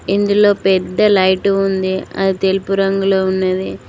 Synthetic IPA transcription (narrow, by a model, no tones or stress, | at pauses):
ind̪ulo̞ːpɛd̪ːɐlɐjʈuund̪iɐ̰d̪it̪elipuɾɐŋɡuloːunːɐd̪i